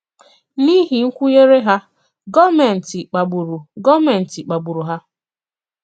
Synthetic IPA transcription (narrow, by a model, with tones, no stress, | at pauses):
ni˦ɦi˨ŋ̩˦kʷu˦je˦ɾe˦ɦa˦ | ɡɔ˦me˨n̩˨ti˨k͡pa˨ɡ͡bu˨ɾu˨ɡɔ˦me˨n̩˨ti˨k͡pa˨ɡ͡bu˨ɾu˨ɦa˦